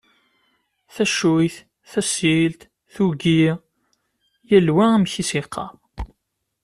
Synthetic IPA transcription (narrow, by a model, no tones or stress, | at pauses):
θæʃujθ | θæsilt̪ | θuɡi | jælwææmçisiqʰːɑ̰